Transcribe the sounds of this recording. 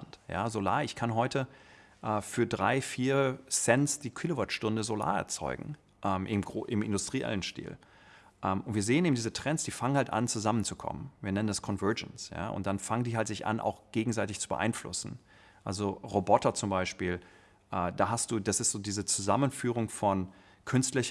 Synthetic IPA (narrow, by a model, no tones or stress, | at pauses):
tja̰ːzola̰ːʔɪçkʰanɦɔʏtʰə | ʔɛːfyːɐdʁa̰ɪfiːɐsɛnsd̥iːkʰwɪlovatʃtʊndəzola̰ːɛ̰ɐt͡sɔ̰ʏɡŋ̩ | ʔɛːmʔɪmɡʁoʔɪmʔɪ̰ndʊstʁ̥iʔɛ̰lənʃtḭːl | ʔɛːmʔʊntviːɐzeːəneːbm̩diːzətʁ̥ɛnsd̥iːfaŋənhaltʔa̰nt͡suzamənt͡sukʰɔ̰mə̰nviːɐnɛnəndaskʰɔnvɜɐd͡ʒənsja̰ːʔʊ̰nt̚d̥anfaŋəndiːɦaltz̥ɪçʔa̰nʔa̰ʊxɡ̥eːɡŋ̩zaɪtɪçt͡subə̰ʔa̰ɪnflʊ̰sn̩ | ʔalzoʁobɔtɐt͡sʊmbaɪʃpiːl | ʔɛːdaːɦastd̥uːd̥asɪstz̥oːdiːzət͡suzamənfyːʁʊŋfɔn | kʰʏnstlɪç